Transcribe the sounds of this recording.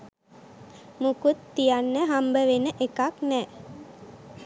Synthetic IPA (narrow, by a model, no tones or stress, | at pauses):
mukut̪ːijanːəɦambəʋenəʔekaknɛː